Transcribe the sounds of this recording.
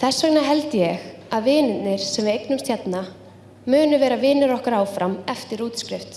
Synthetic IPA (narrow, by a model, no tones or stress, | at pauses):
θɛsːɛknaɦɛlt̪jɛɣ | aðvɪːnɪt̪nɪɾ̥sɛmvɪejknʏmst̪jat̪na | mʏːnʏvɛːɾavɪːnɪɾɔhkaɾaːwfɾamɛft̪ɪɾuːt̪skɾɪft̪